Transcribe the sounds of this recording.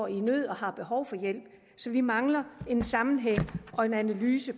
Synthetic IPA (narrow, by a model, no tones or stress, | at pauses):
inøð̰ˠɒ̽hɑ̈b̥e̝ɦɒʊfɒ̽jel̰b̥̚ | sɒ̽ʋimɑ̈ŋlɐe̝nsɑ̈mn̩ɦeŋ̰ʔɒ̽e̝nænælyːsə